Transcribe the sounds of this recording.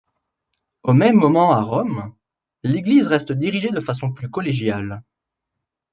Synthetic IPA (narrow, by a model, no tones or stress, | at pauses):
omɛmːɔmɑ̃aʁɔm | leɡlizʁɛst̪d̪iʁiʒed̪əfas̬ɔ̃plykɔleʒjal